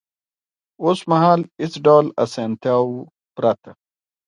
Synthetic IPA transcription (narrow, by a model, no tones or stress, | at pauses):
oːsmaɦaːlit͡sɖawla̰sant̪jaːwu | pɾat̪ʰa